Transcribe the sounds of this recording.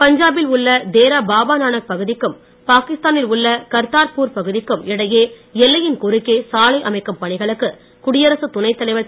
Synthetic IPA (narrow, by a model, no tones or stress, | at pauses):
pɐɲd͡ʒaːbɪlʊɭːɐd̪eːɾabaːbaːnaːnɐk̚pɐɣɯðɪkːɯm | paːkɪst̪aːnɪlʊɭːɐkɐɾt̪aːɾpuːɾpɐɣɯðɪkːɯmɪɽɐjeː | ɛlːɐjɪnkʊɾɯkːeːsaːlɐɪʔɐmɐɪkːɐmpɐɳɪɣɐɭɯkːɯ | kʊɽɪjɐɾɐsɯt̪ʊnɐɪt̪ːɐlɐɪʋɐ